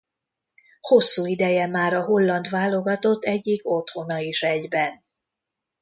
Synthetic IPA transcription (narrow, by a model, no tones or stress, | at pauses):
ho̞sːuːid̪ɛjɛmaːɾɒɦo̞lːɒnd̪ʋaːlo̞ɡɒt̪o̞t̪ːɛɟːiko̞t̪ho̞nɒiʃɛɟbɛn